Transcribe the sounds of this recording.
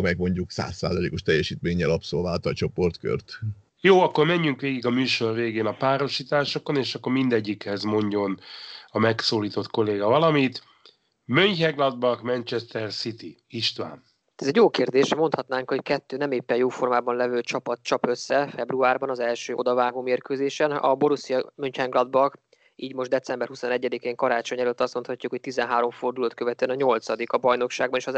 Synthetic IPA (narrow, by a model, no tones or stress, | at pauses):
mɛjɛkmo̞ɲɟuksa̰ːsːa̰ːzɒlḛːkoʃt̪ɛjːɛʃiːt̪meːɲːɛlɒpsolvaːlt̪ɒt͡ʃo̞po̞rt̪kø̰rt̪ | joːɒkːo̞rmɛɲːyŋkʋeːɡiɡɒmyːʃo̞rveːɡeːnɒpaːɾo̞ʃiːt̪aːʃo̞ko̞neːʃɒkːo̞rmind̪ɛɟːikhɛzmo̞ɲɟo̞nɒmɛksoːliːt̪o̞t̪ko̞leːɡɒvɒlɒmit̪ | møɲchɛɡlɒd̪̚bɒkmɛnt͡ʃɛst̪ɛrsit̪i | iʃt̪ʋa̰ːn | t̪ɛzɛɟjoːkeːrd̪eːʃmo̞nt̪ʰhɒt̪naːŋkho̞ckɛt̪ːøːnɛmeːpːɛjoːfo̞rmaːbɒnlɛvøːt͡ʃɒpɒt̪t͡ʃɒpø̞sːɛfɛbruaːrbɒnɒzɛlʃøːo̞̰d̪ɒvaːɡoːmeːrkøːzeːʃɛnɒ̰bo̞ɾusijɒmø̞ɲchɛŋɡlɒd̪̚bɒk | iːɟmo̞ʒd̪ɛt̪sɛmbɛrhusonɛɟːɛd̪ikeːŋkɒɾaːt͡ʃo̞ɲɛløt̪ːɒst̪mo̞nt̪hɒcːukhoct̪izɛnɦaːɾo̞ɱfo̞rd̪uloːt̪̚køvɛt̪øɛnɒɲo̞lt̪sɒd̪ikɒbɒjno̞kʃaːɡ̚bɒneːʃɒ